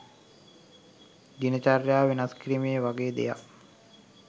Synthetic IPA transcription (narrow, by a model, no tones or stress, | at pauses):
ɡinət͡ʃarjaːʋenaskiɾimejəʋaɡeːd̪ḛja̰